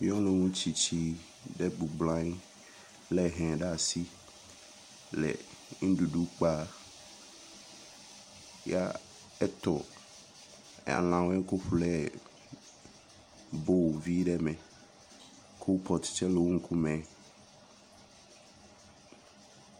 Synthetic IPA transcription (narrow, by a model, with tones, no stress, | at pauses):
mĩ˦ɔ̃˦lõ˦ŋũ˦t͡ɕi˨t͡ɕʰi˦ | ɖɛ˦bu˨ɡ͡blã˦ | lɛ˨ɦɛ̃˨ɖa˦˨si˦ | lɛ̰˨ŋ̩˦du˨du˦k͡pa˦ | ja˦ | ɛ˦t̪ɔ˨ | a̰˨lã˨wɛ˦ko˦ɸlɛ˦˨ | bo˦wvi˦ɖɛ˦mɛ̃˨ | kʰo˦wpʰɔ˨tt͡ʃɛ˦lo˨wo˦ŋ̩˦kʰu˦mɛ̃˨˦